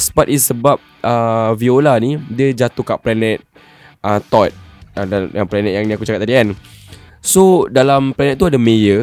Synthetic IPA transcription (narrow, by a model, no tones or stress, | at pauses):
spat̪isːəbap̚ | əviolanidiəd͡ʒat̪ukaʔplanɛ̃t̪̚ | ət̪ɔt̪̚əajaŋplanɛt̚jaŋnĩakut͡ʃakat̪̚ːadiɛn | sodalamplɛnɛt̪̚t̪ːuadamejə